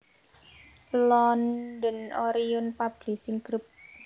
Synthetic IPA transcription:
lɔnd̪ənoɾijʊnpab̥lisɪŋkɾəp̚

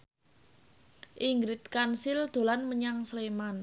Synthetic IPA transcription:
ʔiŋɡɾɪt̪̚kansɪld̪̥o̤lanməɲaŋsleman

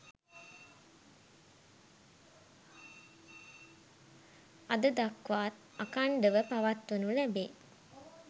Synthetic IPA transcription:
ad̪əd̪akʋaːt̪̚ | akaɳɖəʋəpaʋat̪ʋənulæbeː

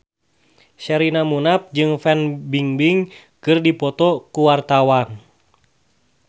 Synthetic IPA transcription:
ʃɛɾinamunap̚d͡ʒɨŋfɛnbiŋbiŋ | kɨrdipɔt̪ɔkuwart̪awan

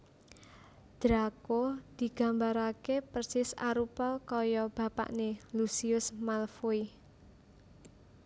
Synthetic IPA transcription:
d̪̥ɾakod̪̥i̤ɡ̥a̤mbaɾakepərsɪsa̰ɾupɔkɔjɔb̥ä̤pa̰ʔnelusiʊsmalfoi

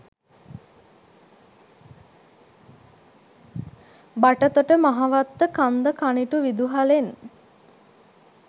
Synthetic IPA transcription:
baʈət̪oʈəmaɦaʋat̪ːəkand̪əkʰaniʈuʋid̪uɦalen

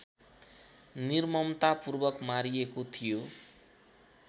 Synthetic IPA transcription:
nirmʌmt̪apurbʌkmaɾiekot̪ʰijo

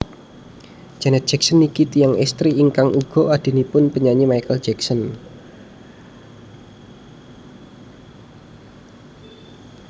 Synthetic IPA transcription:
d͡ʒ̥anɛt̪̚ʒ̥ɛk̚sənikit̪ijaŋɛst̪ɾiːŋkaŋʔuɡ̥ɔ̤ad̪̥i̤nipʊnpəɲaɲimaijkəl̥d͡ʒɛksɔn

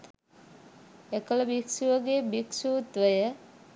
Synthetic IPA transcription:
ekələbiksuʋəɡebiksut̪ʋəjə

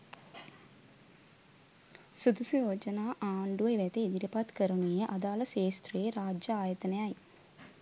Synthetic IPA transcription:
sud̪usujoːd͡ʒɐnaːʔaːɳɖuʋɐjʋeːt̪eid̪iɾipaːt̪kɐɾɐɳijeʔɐd̪aːlɐseːst̪ɾeːɾaːd͡ʒɐaːjɐt̪ɐnɐjaːji

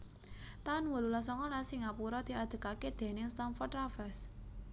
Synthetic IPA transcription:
t̪anwəlulasɔŋɔlasiŋapuɾɔd̪̥i̤ad̪̥ə̤kaked̪̥e̤nɪŋst̪anfɔrt̪ɾafɛs

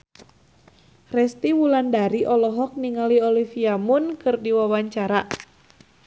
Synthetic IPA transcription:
rɛst̪iwulandaɾiʔɔlɔɦɔk̚niŋaliɔlifiamunkɨrdiwawaɲt͡ʃaɾa

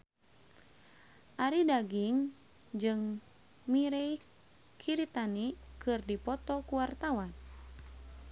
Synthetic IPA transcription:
ʔaɾidaɡiŋ | d͡ʒɨŋ | miɾej | kʰiɾit̪anikɨrdipɔt̪ɔkuwart̪awan

